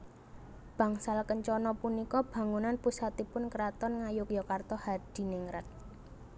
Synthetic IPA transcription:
b̥ä̤ŋsalkəɲt͡ʃɔnɔpunikɔb̥ä̤ŋunanpusat̪ipʊnkəɾat̪ɔnŋajʊkjɔkart̪ɔhad̪̥i̤nɪŋɾat̪̚

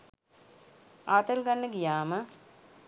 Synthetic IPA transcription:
aːt̪əlɡanːəɡijaːmə

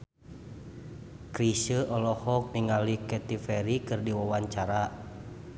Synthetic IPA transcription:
kɾisəʔɔlɔhɔk̚niŋalikɛt̪ifɛɾikɨrdiwawaɲt͡ʃaɾa

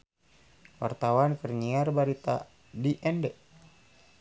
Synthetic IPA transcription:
wa̰rt̪awankərɲiarbaɾit̪a̰ | diʔɛndɛ

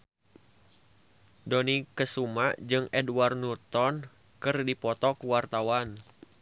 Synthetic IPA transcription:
dɔnikəsumaʔd͡ʒɨŋɛduwarnut̪ɔn | kɨrdipɔt̪ɔkuwart̪awan

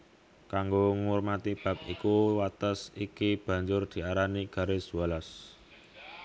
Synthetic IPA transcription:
kaŋɡoŋʊrmat̪ib̥ä̤p̚ḭkuwat̪əsikib̥ä̤ɲd͡ʒʊrd̪̥i̤aɾaniɡ̥a̤ɾed͡ʒ̥uwalas

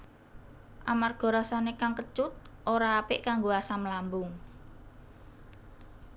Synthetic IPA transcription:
ʔamarɡ̥ɔ̤ɾasanekaŋkət͡ʃʊt̪̚ʔoɾaːpɪʔkaŋɡoasaməlambʊŋ

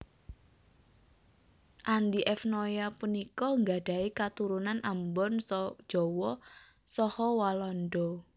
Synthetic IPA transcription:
ʔand̪iʔɛfnojapunikɔŋɡaɖ̥a̤ikat̪uɾunanambɔnsɔd̥ʒ̥ɔ̤wɔ | sɔhɔwalɔnɖɔ

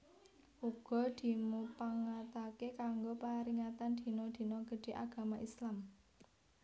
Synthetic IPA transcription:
ʔuɡ̥ɔ̤d̪̥i̤mupaŋat̪akekaŋɡopaɾiŋat̪and̪̥i̤nɔd̪̥i̤nɔɡ̥ə̤ɖ̥e̤ʔaɡ̥a̤maʔislam

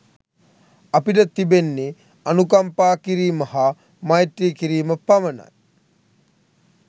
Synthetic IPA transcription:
apiʈət̪ibenːe | anukampaːkiɾiːməha | majʈ̪ɾiːkiɾiːməpaməna̰t̪̚

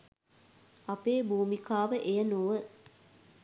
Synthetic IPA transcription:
ɐpeːbuːmikaːʋəʔejənoʋə

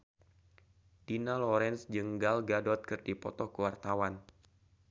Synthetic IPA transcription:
d̥inalɔɾɛnsd͡ʒəŋɡalɡadɔt̪̚kɨrdipɔt̪ɔkəwart̪awan

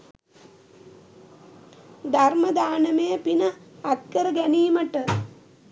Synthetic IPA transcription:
d̪aɾməd̪aːnəmejəpinəat̪̚kəɾəɡæniːməʈə

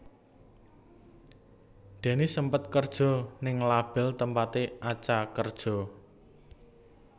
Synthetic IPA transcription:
d̪̥e̤nisəmpət̪̚kərd̥ʒ̥ɔ̤nɪŋlab̥ɛ̤lt̪əmpat̪eʔat͡ʃakərd̥ʒ̥ɔ̤

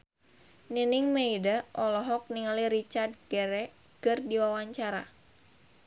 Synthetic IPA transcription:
ninɪŋmeidaʔɔlɔɦɔk̚niŋaliɾit͡ʃard̪̚ɡɛɾɛ | kɨrdiwawaɲt͡ʃaɾa̰

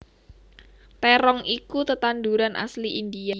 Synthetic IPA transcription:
t̪ɛɾɔŋʔikut̪ət̪anduɾanʔa̰sliʔind̪ia

